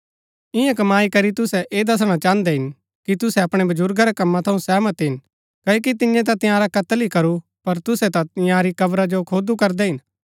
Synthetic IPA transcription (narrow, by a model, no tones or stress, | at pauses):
ɪ̃jãkɐmaːikɐɾit̪ʊsɛʔeːd̪ɐs̬ɽ̃ãt͡ʃãːnd̪ɛɦɪn | kit̪ʊsɛɐpɽ̃ɛbɐd͡ʒʊɾɡaɾɛkɐmːãt̪ʰɐũsɛːmɐt̪ɛɦɪn | kɐːjok̬it̪ɪjẽt̪̬ãt̪ɪ̃jaːɾakɐt̪əlikɐɾu | pɐɾt̪ʊsɛt̪at̪ɪ̃jãːɾikɐbɾad͡ʒokʰoːd̪ukɐɾd̪ɛɦɪn